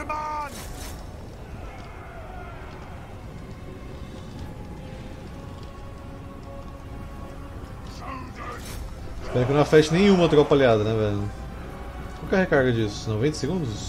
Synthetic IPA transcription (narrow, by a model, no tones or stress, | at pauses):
spɛɾʊkɪnɐ̃w̃afɛt͡ʃɪnẽj̃ũmɐt̪ɾɔpaliad̪ɐnɛvɛlñ | kawkɛɾhekaɾɡɐd͡ʒisʊ̥snovẽnt̪ɐseɡũnd̪ʊzs